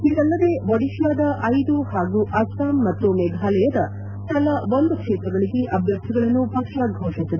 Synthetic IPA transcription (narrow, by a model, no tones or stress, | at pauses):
iɐlːɐd̪e̞bɐɽiʃjaːd̪ɐʔɐjd̪uhaːɡuʔɐsʈaːmːɐt̪ːumɛɡ̪ʱaːlɛjɐd̪ɐ | kɐlɐʋond̪ukʂɛːt̪ɾɐɡɐɭiɡeʔɐbʱjɐk̚t̪ʰiɡɐɭɐnːupɐkʂjaːɡiɡʱoːʂist̪ːid̪e